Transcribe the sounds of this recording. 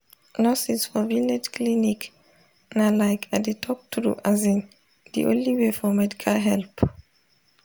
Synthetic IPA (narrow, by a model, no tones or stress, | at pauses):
nɔsisfɔvilnɛtkʰlinik | nalaɪkʰadetʰɔk̚tʰɾṵʔazĩn | d̪ḭʔõ̰nliwefɔmɛdikʰalɦɛlp